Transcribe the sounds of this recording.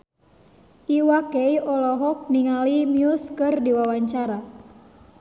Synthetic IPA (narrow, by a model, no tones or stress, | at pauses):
ʔiwakeiɔlɔɦɔk̚niŋalimiuskɨrdiwawaɲt͡ʃaɾa